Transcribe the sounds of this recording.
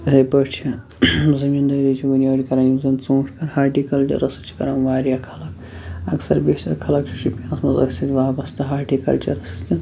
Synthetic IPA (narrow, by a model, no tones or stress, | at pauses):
zɐjpɐt͡ʃʰi | zɐmiːnd̪ɐːɾit͡ʃʰibɐnʲjaːɽʲikɐɾaːjizɐnt͡sõːʂʰkɐɾhaːʈikɐlt͡ʃɐ̰ɾɐsɨ̥t͡ʃʰi̥kɐɾanʋaːɾjakʰɐlɐk | ɐksɐ̰ɾbeːʃt̪ɐɾkʰɐlɐk̚t͡ʃʰi̥ʃʰupʲinɐsmɐzɐ̰ksʲɐt̪ʲʋaːbɐst̪ɐɦaːʈikɐ̰lt͡ʃɐ̰ɾɐsɨ̥t̪ʰʲin